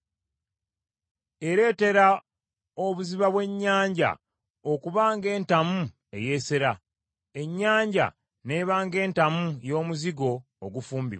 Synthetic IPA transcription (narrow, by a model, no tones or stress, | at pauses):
e̞ɾe̞ːte̞ɾa | oβuziβaβwe̞ɲːaːɲɟa̰ | o̞kuβaːŋɡe̞ːntamu | e̞je̞seɾa | e̞ɲːaːɲɟa̰ | ne̞βaːŋɡe̞ːntamujo̞ːmuziɡo̞ː | ɡufuːmbḭβ